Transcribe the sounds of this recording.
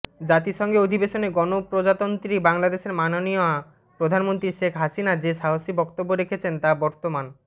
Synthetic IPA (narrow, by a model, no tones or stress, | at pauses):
d͡ʑat̪iʃɔŋɡeod̪ʱibeʃoneɡɔnopɾod͡ʑat̪ont̪ɾibaŋlad̪eʃeɾmanonioa | pɾod̪ʱanmont̪ɾiʃekʰɦasinad͡ʑeʃaɦoʃibɔkt̪obːoɾekʰet͡ɕʰent̪abɔɾt̪oman